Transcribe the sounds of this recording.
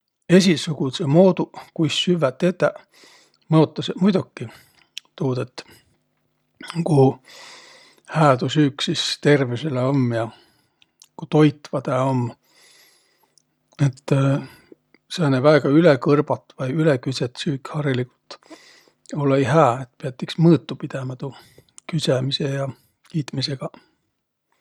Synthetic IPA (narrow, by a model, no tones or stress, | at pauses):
e̞sʲisukusemo̞ːd̪ukujsːyvːæt̪ːet̪ːæ | mɤot̪ˑːɑsemujd̪ukːi | t̪uːd̪et̪ː | ku | hæːt̪usyːksist̪e̞rviseleomːjɑ | kut̪o̞jt̪vɑd̪eomː | et̪ːˑ | seɑnevæeɡ̥ɑylekɤrb̥ɑt̪ːˑvɑjylekyset̪syːkːhɑɾiliku̥lt̪ˑ | olejɦæːet̪̚peɑt̪ːˑiksmɤːt̪ːˑupid̪̥emɑt̪ukysemisejɑ | kiːt̪mise̞ɡ̥ɑ